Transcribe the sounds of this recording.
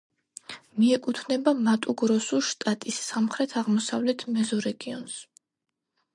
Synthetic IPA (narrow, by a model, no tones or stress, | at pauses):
miɛkʼut̪ʰnɛbamat̪ʼuɡɾɔsuʃt̪ʼat̪ʼisːamχɾɛt̪ʰaʁmɔsavlɛt̪ʰmɛzɔɾɛɡiɔns